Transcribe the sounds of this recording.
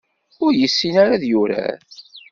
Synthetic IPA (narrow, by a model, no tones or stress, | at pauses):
ʊɾjəsːinaɾaðjʊɾæ̰ɾ